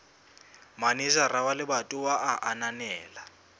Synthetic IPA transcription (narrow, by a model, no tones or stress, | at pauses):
manizarawalɪbatʼʊwaʔaʔananɛːla